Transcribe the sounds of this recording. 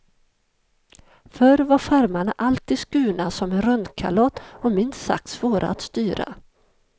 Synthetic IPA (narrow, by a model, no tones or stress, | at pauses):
fœɾvaɾfaɾmaɳaʔalt̪ʰiːd̪skʉ̟ːnasɔmɛnɾɵnd̪kʰa̰lɔt̪ːɔmɪnsa̰k̚t̪svoːɾa̰at̪st̪yːɾa̰